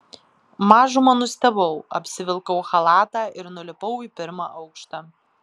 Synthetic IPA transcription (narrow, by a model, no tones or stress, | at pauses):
mɑːʒʊmɐnʊsʲt̪ʲɛbɐʊɐ̰pʲsʲɪʋʲɪlˠkɐʊxɐlˠɑːt̪ɑːʔɪɾnʊlʲɪpɐʊiːpʲɪɾmɑːʔɐʊkʃt̪ɑ